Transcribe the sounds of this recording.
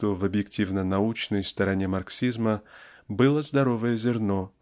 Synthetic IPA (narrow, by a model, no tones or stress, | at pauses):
t̪ovəbjɪktʲivnənɐut͡ɕnəjst̪əɾɐnʲemɐrksʲizmə | bɨlˠəzd̪ɐɾovəjəzʲɪrno